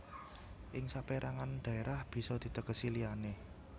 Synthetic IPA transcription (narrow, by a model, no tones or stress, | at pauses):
ʔɪŋsapeɾʔaŋanɖ̪̥ä̤eɾʔahb̥i̤sɔd̪̥i̤t̪əkəsiliane